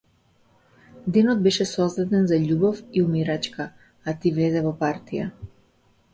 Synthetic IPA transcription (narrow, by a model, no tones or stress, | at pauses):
d̪ɛnɔd̪̚bɛʃɛsɔzd̪at̪ɛnzaʎubɔfiumiɾat͡ʃka | at̪ivlɛzɛvɔpaɾt̪ʰija̰